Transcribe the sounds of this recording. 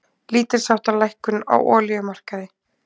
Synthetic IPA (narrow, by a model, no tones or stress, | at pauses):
liːt̪ɪɾ̥sawht̪alajhkʏna̰wʔɔːlijʏmar̥kaðɪ